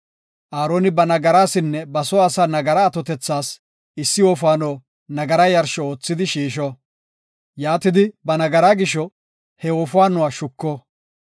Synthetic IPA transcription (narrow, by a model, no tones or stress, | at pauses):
ʔaːɾoːnɪbɐnɐɡɐɾaːsɪnːɛbɐsɔːsaːnɐɡɐɾɐːt̪ɔt̪ɛt͡sːaːs | ɪsːɪwɔːf̬ʊaːnɔː | nɐɡɐɾɐjɐɾʃɔoːt͡sːɪd̪ɪʃiːʃ̬ɔ | jaːt̪ɪd̪ɪbɐnɐɡɐɾaːɡɪʃɔ | hɛwɔːfʊaːnɔwaʃʊkːɔ